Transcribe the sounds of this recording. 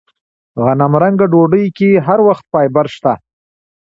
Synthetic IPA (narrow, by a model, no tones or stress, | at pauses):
ɣanamɾaŋɡaɖoɖəjkeɦaɾwaxt̪̚pɑjbaɾʃt̪a